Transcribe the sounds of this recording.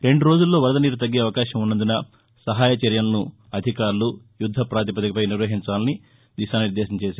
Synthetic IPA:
ɾe̞ɳɖuɾo̞ːd͡ʒulːo̞ːʋɐɾɐd̪ɐniːɾut̪̬ɐɡːeːɐʋɐkaːʃɐmunːɐnd̪unɐ | sɐɦaːjɐt͡ʃɐɾjɐlɐnu | ɐd̪ʱikaːɾulu | jud̪ʱːɐpɾaːt̪̬ipɐt̪ɐkɐpɐjniɾʋɐɦiɲt͡ʃaːlɐni | d̪iʃaːniɾd̪eːʃɐmt͡ʃeːsaː

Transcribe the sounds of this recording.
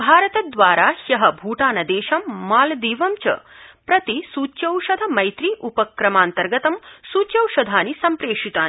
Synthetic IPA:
bʱaːɾɐt̪ɐd̪ʋaːɾaːhjɐɦɐbʱuːʈaːnɐd̪eːʃɐmːaːld̪iːʋɐmt͡ʃɐ̰pɾɐt̪isuːt͡ʃːjɐwʃɐd̪ʱɐmɐjt̪ɾiʔupɐkɾɐmaːnt̪ɐɾɡɐt̪ɐmsuːt͡ʃjɐwʃɐd̪ʱaːnisɐmpɾeːʂit̪aːni

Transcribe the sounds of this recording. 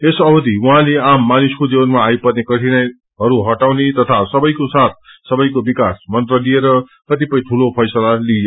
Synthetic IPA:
esʌbʌd̪iuɦãleamːanuskod͡zibʌnmaːjpʌd̪nekʌʈʰinʌj | ɦʌɾuɦʌʈawnet̪ʌt̪ʰasʌbʌjkosat̪̚ʰsʌbʌjkobikasmʌnt̪rʌlieɾʌkʌt̪ipʌĩʈʰulopʰʌjsʌlali

